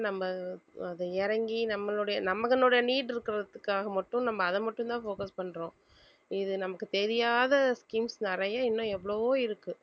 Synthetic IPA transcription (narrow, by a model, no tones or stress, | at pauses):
nɐmːɐɐðɯɛɾɐŋɡinɐmːɐloːɽɐjɐnɐmɐɣɐnoːɽɐjɐniːɽɪɾɯkːɪɾɐðɯkːaːɣɐmɐʈːʊ̃nɐmːɐːðɐmɐʈːʊ̃nt̪ãːfoːkɐspɐɳːɾõː | ɪðɯnɐmɐkːɯt̪ɛɾɪjaːðɐskimsnɛɾɐjaɪnːʊ̃ɛʋːɐɭoʋoːɪɾɯkːɯ